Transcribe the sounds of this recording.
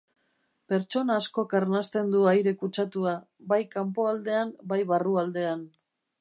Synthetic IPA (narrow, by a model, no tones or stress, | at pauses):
pe̞ɾt͡ʃo̞naːsko̞kaɾnast̪e̞nd̪uajɾe̞kut͡ʃat̪ua | bajkampo̞ald̪e̞ambajβaruald̪e̞an